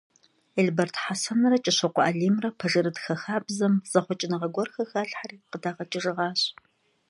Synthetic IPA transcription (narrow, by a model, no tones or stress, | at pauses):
eɮbɐrtʰħasɐnɐrɐt͡ʃʼɪɕɐqʷɔʔaːɮiːmrɐpʰɐʒɨɾɨtxɐxaːbzɐmz̥ɐχʷɔt͡ʃʼɪnɐʁɐɡʷɔrxɐxaːɬħariːqədaːʁɐt͡ʃʼɪʒɨʁɑːɕ